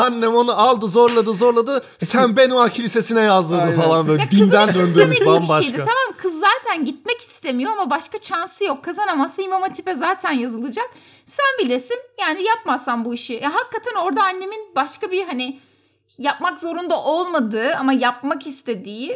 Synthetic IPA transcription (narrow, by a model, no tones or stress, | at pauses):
anːɛmo̞nualˠd̪ɯzo̞ɾlˠad̪ɯzo̞ɾlˠad̪ɯ | sænbenuacʰilʲise̞sinɛjazd̪ɯɾd̪ɯfalˠanbøljaɛkd̪indd̪ænd̪ønd̪yːeiamibaʃʃejd̪ɛt̪ʰamamkʰɯzːaːt̪ʰænɟit̪̚mɛci̥st̪ʰe̞mijo̞amabaʃkat͡ʃansɯjo̞kʰːazanamazsaimamat̪ʰipɛzaːt̪ʰænjazɯlˠɯd͡ʒak | sænbilʲesinjaːnijap̚mazsambuiʃijaɦakːat̪ʰano̞ɾd̪aːnːe̞minbaʃkabiɦanɪ | jap̚makzo̞ɾund̪aʔo̞lˠmad̪ɯamajap̚makist̪ʰe̞d̪iː